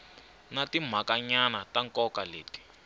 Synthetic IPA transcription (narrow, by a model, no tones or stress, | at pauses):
natim̤akaɲanataŋkɔkaleːti̥